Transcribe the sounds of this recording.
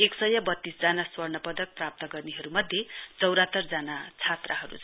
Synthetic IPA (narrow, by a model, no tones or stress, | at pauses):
eksʌjʌbʌt̪ːisd͡zanaswʌrnʌpʌd̪ʌk̚prap̚t̪ʌɡʌrniɦʌɾumʌd̪ʱjet͡sʌwɾat̪ːʌrd͡zanat͡sʰat̪raɦʌɾṵt͡sʰ